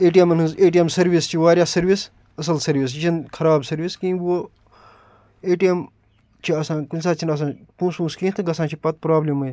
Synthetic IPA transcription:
eːʈijemɐnɨ̃zeːʈ̬iemsɐɾʋist͡ʃʰiʋaːɾʲjaːsɐɾʋis | ɐs̬ɐlsɐɾʋis̬t͡ʃinkʰɐɾaːbsɐɾʋiskĩːʋo | eːʈijem | t͡ʃʰiɐsãːkunʲsaːt͡ʃʰinɐs̬ãːpũːspũːskĩːt̪ʰɨɡɐsãːt͡ʃʰipɐt̪̚pɾaːblʲimɐ

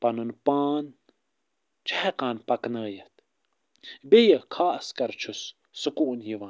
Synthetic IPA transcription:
pɐnunpaːn | t͡ʃʰaeqaːnpɐknəːjɐt̪ | bejəkʰaːɐskɐɾt͡ʃʰusː | ukuːnjiʋan

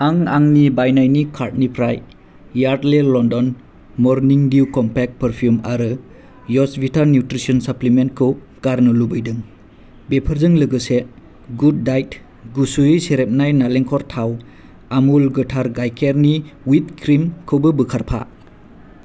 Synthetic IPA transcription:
aŋaŋnibajnajnikʰaɾt̚nipʰɾajː | aɾtlelɔndɔn | mɔɾniŋdiukɔmpek̚pəɾpʰjumaɾɯ | jɔsbitʰaɾnjutɾisɔnsaplimentkʰɯw | ɡ̥aɾnɯlubɯjdɯŋ | bepʰəɾzɯŋlɯɡɯse | ɡud̚ːajt | ɡusuiseɾep̚najnaleŋkʰɔɾtʰaw | amulɡɯtʰaɾɡajkʰeɾniwitkʰɾimkʰɯwbɯbɯkʰaɾpʰa̰

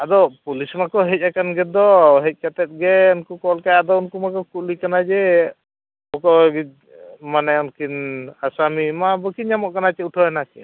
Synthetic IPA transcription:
ad̪ɔpulismakɔɦɛc̚akanɡɛd̪ɔɦɛc̚kat̪ɛt̪̚ɡɛunkukɔlkajad̪ɔunkumakɔkuʔlikanad͡ʒɛ | ɔkɔɡi | manɛɔnkinasamimabəkiɲamɔʔkanat͡ʃɛuʈʰɔɛnakḭn

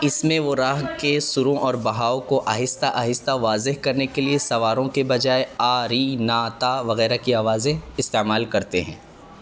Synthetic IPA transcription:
ɪsmẽʋoɾaːɦkesʊɾõʔɔːɾbɐɦaːokoʔɐɦɪst̪aʔɐɦɪst̪aʋaːzɪɦkɐɾnekeliesɐʋaːɾõkebɐd͡ʒaːeaːɾiːnaːt̪aʋɐɣɛːɾakiaːʋaːzẽɪst̪eːmaːlkɐɾt̪eɦɛ̰̃ː

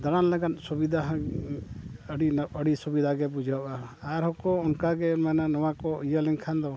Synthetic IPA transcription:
d̪aɽ̃anlɛɡat̪̚subid̪ʱaɦa | ɽiəɽisubid̪ʱaɡɛbud͡ʒʱaaʔaaɾɦɔkɔɔnkaɡɛnmananɔwakɔijalɛŋkʰand̪ɔ

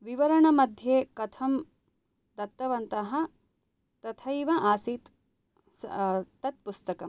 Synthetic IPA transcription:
ʋiʋɐɾɐɳɐmɐd̪ʱjeːkɐt̪ʰɐm | d̪ɐt̪ːɐʋɐnt̪ɐɦɐ | t̪ɐt̪ʰɐjʋɐʔaːsiːt̪ | st̪ɐt̪̚pust̪ɐkɐm

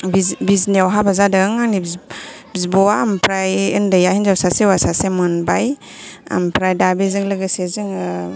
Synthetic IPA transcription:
bibizniawɦabazadɯŋanibbzibɔwampʰɾajɯndajahinzawsasewasasemɯnbaj | a̰mpʰɾajdabezɯŋlɯɡɯsezɯŋ

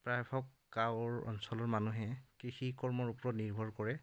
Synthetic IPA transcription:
pɹajbʰʱɔkːawɹɔ̰nsɔlɔɹmanuɦɛkɹixikɔɹmɔɹupɹɔtniɹbʱɔɹkɔɹɛ

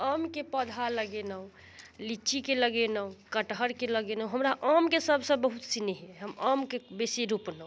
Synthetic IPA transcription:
amkepəd̪ʱaləɡenəw | lit͡ʃikeləɡenəwkəʈɦəɾkeləɡenəwɦəmɾaʔamkesəbʱsə̃bəɦut̪sineɦɛɦəmamkebesiɾupnə

